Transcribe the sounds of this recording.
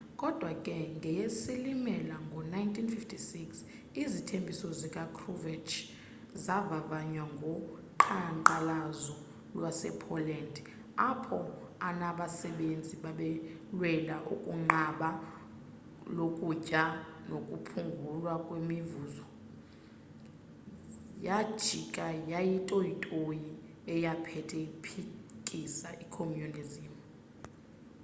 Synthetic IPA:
kʼɔd̥ʱwakʼɛŋɡʱɛjesilimɛlaŋɡʱɔnajntʰʼinfiftʰisiks | izitʰembʱisɔzikʼakʰrɔvɛt͡ʃʰʼ | zavavaɲwaŋɡʱɔǃʰaŋǃalazɔ | lwasɛ̰pʰɔlɛndʱ | apʰɔ | anaɓasɛɓend͡zʱiɓaɓɛlwɛlaʔukʼuŋ͡ǃaɓa | lokʼucʼanokʼupʰuŋɡʱulwakʼwemivuːzɔ | jḁʒ̥ʱikʼajajitʼojitʼoji | ɛjapʰɛtʰɛipʰikʼisaʔikʰomjunizimu

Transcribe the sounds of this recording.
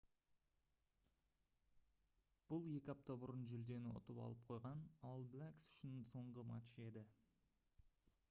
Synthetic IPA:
b̥ʊlˠje̞kʲɪɑp̚t̪ɑbʊɾənʒʏld̪e̞nɪʊ̰t̪əpɑ̰lˠəp̚qʰo̞jʁɑnɑlˠblʲæksʏ̥ʃɪnso̞ɴʁəmɑ̰t̪ʃe̞d̪ɪ

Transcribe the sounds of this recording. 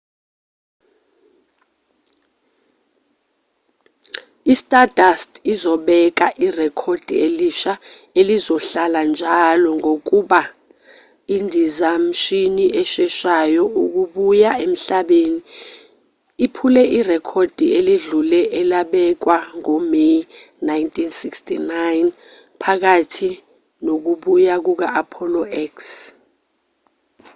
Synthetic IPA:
istʼadastʰʼizɔɓɛk̬aʔirɛkʰod̥ʱḭeliʃa | elizɔɬaland͡ʒʱalɔŋok̬uɓa | indʱizam̩ʃiniʔɛʃɛʃajɔuk̬uɓujaem̩ɬaɓeni | ipʰulɛʔirɛkʰɔd̥ʱieliɮulɛʔɛlaɓɛk̬waŋɔme | najntʰʼinsikstʰinajn | pʰak̬atʰi | nok̬uɓujak̬uk̬aʔapʰɔlɔɛks

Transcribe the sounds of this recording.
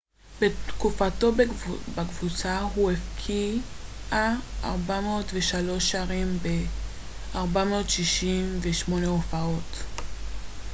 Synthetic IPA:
b̥ettkufato̞bakvut͡saɦuefkʰiʔaa̰ʁbamootveʃalo̞ʃaʁimbe | aʁbamootʃiʃimveʃmo̞neofao̞t

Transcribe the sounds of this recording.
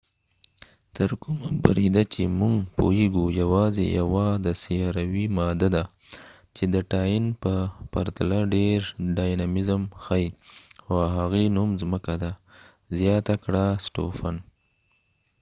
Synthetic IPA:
t̪əɾkumaba̰ɾid̪at͡ʃemuŋɡpo̰eɡujawɑzḛjawɑd̪əsijɑɾawimɑd̪ad̪a | t͡ʃed̪əʈɑjinpəpaɾt̪alaɖeɾɖajnamɪzəmxajxoaɦaɣenumzməkad̪a | zjɑt̪akɽasʈo̰fan

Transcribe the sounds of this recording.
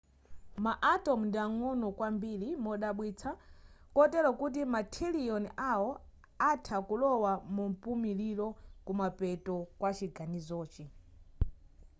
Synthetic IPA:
maʔatɔmndiaŋɔnɔkwambilimɔɗaɓwit͡sʰakɔtɛɾɔkut̬imatʰiliɔnʔawɔ | atʰakulɔwamumpumililɔkumapɛtɔkwat͡ʃiɡanizɔːt͡ʃi

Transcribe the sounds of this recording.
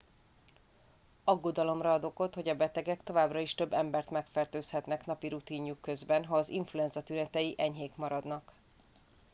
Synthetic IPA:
ɒɡːo̞d̪ɒlo̞mrɒd̪o̞ko̞t̪ho̞ɟɒbɛt̪ɛɡɛkt̪o̞vaːbrɒiʃt̪ø̞bːɛmbɛrt̪mɛkfɛrt̪øːshɛt̪nɛknɒpiɾut̪iːɲjukːø̞zbɛnɦɒːziɱfluɛnzɒt̪ynɛt̪ɛjiʔɛɲɦeːkmɒɾɒd̪nɒk

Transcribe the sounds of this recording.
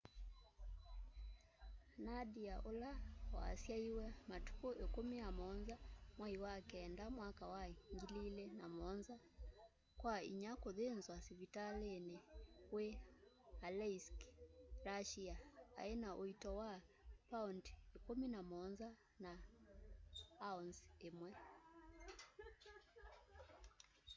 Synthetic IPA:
naɗiaʔɔlawa̰ːsjaiwɛmatu̥kɔʔɛkumiamɔnzamwaiwakɛndamwakawaŋɡililɛnamɔnza | kwaḭɲakɔðɛnzwasivitalɛnɛwɛ | alɛski̥ɾaʃiaa̰ɛnaʔɔitɔwapaɔnti̥ɛkuminamɔnza | na | aɔnsɛmwɛ

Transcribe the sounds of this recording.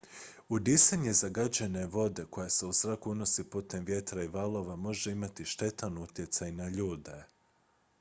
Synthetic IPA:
ud̪isaɲe̞zaɡad͡ʑene̞ʋo̞d̪e̞ko̞jase̞usɾakuuno̞sipuːt̪e̞mʋje̞t̪ɾaiʋalˠo̞ʋamo̞ʒe̞imat̪iʃt̪e̞t̪anut̪je̞t̪sajnaʎuːd̪e̞

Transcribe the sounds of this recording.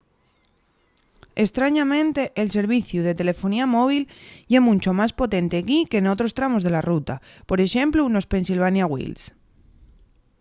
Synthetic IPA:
est̪ɾaɲamẽ̞nt̪e̞ʔːlse̞ɾβ̞iθjuð̞e̞t̪e̞le̞fo̞niamo̞β̞iljemũnʲt͡ʃo̞maspo̞t̪e̞nt̪eɣike̞no̞t̪ɾo̞st̪ɾamo̞zðe̞larut̪apo̞ɾe̞ʃe̞mpluno̞spe̞nsilβanjaɣwḭls

